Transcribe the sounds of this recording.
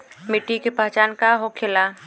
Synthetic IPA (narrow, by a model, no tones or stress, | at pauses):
mɪʈikepaɦt͡ʃaːnkaɦokʰɪla